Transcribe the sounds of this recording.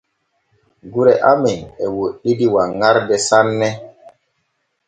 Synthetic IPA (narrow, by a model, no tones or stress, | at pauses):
ɡuɾɛʔamɛewoɗidiwaŋaɾdɛsanːɛ